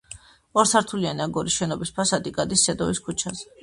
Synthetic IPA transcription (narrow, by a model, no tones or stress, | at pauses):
ɔɾsʰaɾt̪ʰulianiaɡɔɾisʃɛnɔbispʰasad̪ikʼad̪isːɛd̪ɔviskʰut͡ʃʰazɛ